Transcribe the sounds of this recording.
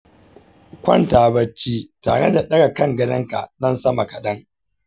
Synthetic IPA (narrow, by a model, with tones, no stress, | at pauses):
kʷɐ˦˨ntaː˨bɐ˦t͡ʃːiː˦ta̰ː˨ɽḛ˦da˨ɗɐ˦ɡa˨kɐ˦ŋɡɐ˦dɐ˦ŋka̰˨nɐ˦nsɐ˦ma˨kɐ˨ɗɐ˦ŋ